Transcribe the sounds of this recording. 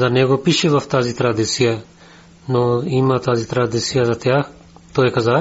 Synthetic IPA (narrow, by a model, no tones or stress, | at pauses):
zanɛɡopiʃɛʋɐft̪aːzit̪ɾad̪isija | nɔimat̪aːzit̪ɾad̪isʰijazat̪jaːx | t̪oɛkaza